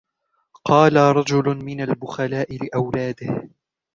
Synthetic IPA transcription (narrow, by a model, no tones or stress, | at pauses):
qɑːlaɾˤɑd͡ʒʊlʊmɪnalbʊxalaːʔɪlɪʔawlaːd̪ɪh